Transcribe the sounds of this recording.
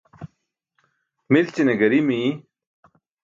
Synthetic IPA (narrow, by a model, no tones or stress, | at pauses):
milt͡ɕineɡɐɾimi